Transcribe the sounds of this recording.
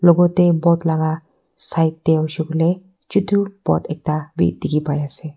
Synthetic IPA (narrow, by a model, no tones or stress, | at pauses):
loɡot̪ebɔt̪laɡa | sajt̪̚d̪eawʃukle | t͡ʃut̪ʰub̥ɔ̰t̪ek̚t̪abḭd̪ikipajase